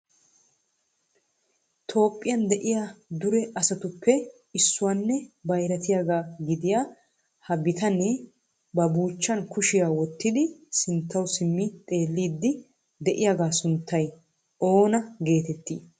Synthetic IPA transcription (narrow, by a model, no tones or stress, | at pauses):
t̪ʰo̞ːpʼːɪjɐnd̪ɛʔɪjaːd̪ʊɾɛʔɐsɐt̪ʊpːɛ | ɪsːʊwanːɛbɐjɾɐt̪ɪjaːɡaːɡɪd̪ɪjaː | hɐbɪt̪ɐnɛ | bɐbuːt͡ʃːɐnkʊʃɪjaːwɔt̪ːɪd̪ɪsɪnt̪ːɐwsɪmːɪt̪ʼe̞ːlːiːd̪ːɪ | d̪ɛʔɪjaɡaːsʊnt̪ʰːɐj | ʔo̞ːnɐɡe̞ːt̪ɛt̪ːiː